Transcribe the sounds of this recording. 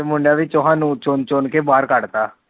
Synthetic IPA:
emʊɳɖjaːʋit̪ʊɦãːnũːt͡ʃont͡ʃonkeːbaːɾkəɽt̪aː

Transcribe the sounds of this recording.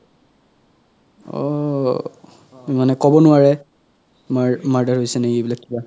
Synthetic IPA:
ɔ̰ | manɛkɔbɔnʊwaɹɛ | maɹmaɹdaɹɦojsɛnɛejbilakːiba

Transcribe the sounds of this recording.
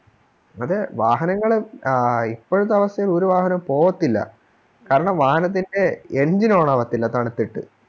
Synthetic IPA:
ɐðɨʋaːɦɐnɐŋːɐɭ | ipːoːɻut̪ːɐʋɐsjɐjɐloɾuʋaːɦɐnɐmpo̞ːʋɐt̪ːilːɐ̰ | kaːɾɐɳɐmʋaːhɐnɐt̪̬ːinde̞end͡ʑinoːɳɐʋɐt̪ːilːɐt̪ɐɳit̪ːiʈːɨ̰

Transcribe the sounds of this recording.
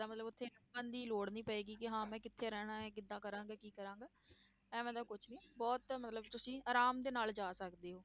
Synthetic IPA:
aːmət̪ləbʊt̪ʰːeːənd̪iːloːɽnĩːpəeːɡiːkɪɦãːmɛ̃ːkɪt̪ʰːeːɾɛːɽ̃ãːɛːkɪd̪ãːkəɾãːŋɡaːkiːkəɾãːŋɡaː | ɛ̃ːmɛ̃ːd̪aːkʊt͡ʃʰnĩːbɔːt̪mət̪ləbt̪ʊsĩːaːɾaːmd̪eːnaːld͡ʒaːsəkd̪eːɦoː

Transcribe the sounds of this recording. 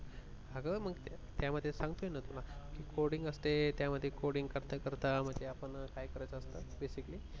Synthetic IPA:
aɡəməɡt̪ | t̪jaməd̪ʱːjesãŋɡt̪ojenat̪ulakiːkoɽiŋɡəst̪et̪jaməd̪ʱːjekoɽiŋɡkəɾt̪əkəɾt̪am̤əɳd͡ʑeapəɳkajkəɾajt͡səːst̪əbesikli

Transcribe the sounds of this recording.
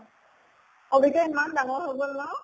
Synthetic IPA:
obitɛimandaŋɔɹɦobɔnma

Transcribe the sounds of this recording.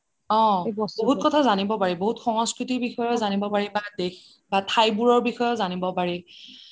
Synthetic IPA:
ɔ̃oɦut̚kɔtʰazanibɔpaɹiboɦutxɔŋɔ̃skɹitibixɔjɔzanibɔpaɹibadex | batʰajbuɹɔɹbixɔjɔtzanibɔpaɹi

